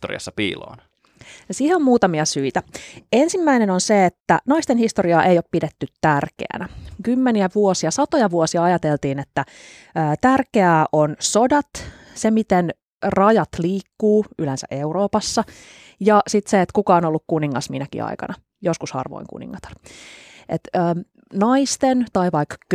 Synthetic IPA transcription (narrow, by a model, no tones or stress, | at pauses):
t̪orḭɑ̰sːɑpḭːlo̰ːn | siːheommuːt̪ɑmiɑsyit̪æensimːæinenonseet̪ːæ̰nɑist̪enhist̪oɾiɑːʔejoppidet̪ːyt̪tærkḛæ̰nækymːeniæʋuosiɑsɑt̪o̞jɑʋuosiɑɑjɑt̪elt̪iːnet̪ːæ | əːt̪ærkeæʔonso̞dɑt̪ | semit̪en | rɑjɑt̪liːkːuːylensæ̰ʔe̞uroːpɑsːɑ | jɑsit̪seet̪kukɑːnolːukkuniŋːɑsminækḭɑ̰ikɑ̰nɑ | joskushɑ̰rʋo̰iŋkṵnḭŋːɑt̪ɑ̥r | ʔḛt̪əː | nɑist̪ent̪ɑiʋɑikːk